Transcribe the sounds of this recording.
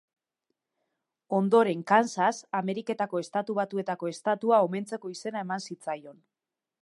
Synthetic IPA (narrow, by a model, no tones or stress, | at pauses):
o̞nd̪o̞ɾe̞ŋkansasame̞ɾike̞t̪ako̞e̞st̪at̪uβat̪ue̞t̪ako̞e̞st̪at̪uao̞me̞nt͡se̞ko̞ise̞naemansit͡sajo̞n